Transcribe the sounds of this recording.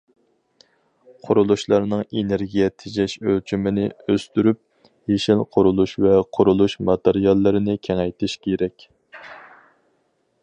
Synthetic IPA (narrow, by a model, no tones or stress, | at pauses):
qʰʊɾulˠuʃlˠɑɾnɨŋeneɾɡʲijɛt̪ʰɪd͡ʒɛʃølt͡ʃʰymɪnɪøst̪yɾyp̚ | jeʃɪlqʰʊɾulˠuʃvɛqʰʊɾulˠuʃmɑt̪eɾijɑlˠːɨɾɪnɪkʲʰɛŋɛjt̪ʰɪʃkʲʰeɾɛkʲ